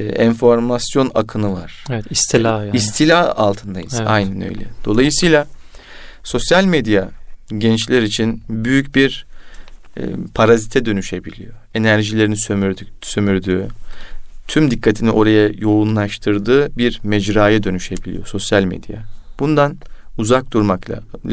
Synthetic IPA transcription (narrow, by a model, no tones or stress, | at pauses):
ɛnfo̞ɾmasjo̞nakʰɯnɯvaɾ̥ɛɛisilais̬t̪ʰilʲaːalˠt̪ʰɯnd̪ajɯza̰jnænø̰jlʲɛ̰d̪̥o̞lˠajɯsɯjlˠa | so̞sjalʲmed̪jaɟɛnt͡ʃlʲæɾit͡ʃʰinbyjycbiɾ | pʰaɾazit̪ʰɛd̪ø̞nyʃe̞bilʲḭjo̞e̞næɾʒilʲe̞ɾinisø̞myɾd̪yː | t̪ʰymd̪ikʰːat̪ʰiniʔo̞ɾajajo̞unlˠaʃt̪ʰɯɾd̪ɯːbiɾmɛd͡ʒɾaːjad̪ø̞nyʃe̞bilʲḭjo̞so̞sjalʲmḛd̪̥ja̰b̥und̪anuzak̚d̪uɾmaklˠa̰